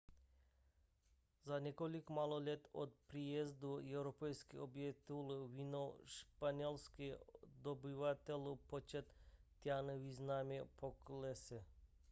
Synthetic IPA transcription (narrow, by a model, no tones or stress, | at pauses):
zanekolikomalˠolʲet̪o̰t̪̚pɾijezd̪oewɾopejskḭobjet̪ilʋinoʃpanʲelˠskid̪obiʋat̪elopot͡ʃet̪ː | janəʋiznamʲepʰoklesɛ